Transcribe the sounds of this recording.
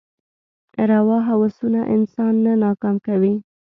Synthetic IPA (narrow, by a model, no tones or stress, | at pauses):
ɾawɑɦawasunaʔɪ̰nsɑnːanɑkɑmkawi